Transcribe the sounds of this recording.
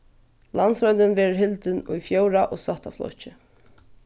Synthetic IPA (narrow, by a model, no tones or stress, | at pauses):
lansɾɔjnt̪ɪnvɛːɾʊɾɦɪlt̪ɪnṵjfjowɾaʔɔːsaht̪aflɔ̰ht͡ʃɪ